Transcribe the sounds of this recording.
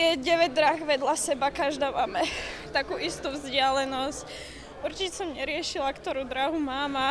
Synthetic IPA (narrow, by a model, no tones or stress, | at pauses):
jɛɟɛʋɛɟd̪ɾaɣʋɛd̪lasɛbakaʒd̪aːmamɛt̪akuːʔist̪uvzɟɪalɛnɔsc | uɾt͡ʃicɛsɔmɲɛɾɪɛʃilakt̪ɔɾuːd̪ɾaɦumaːma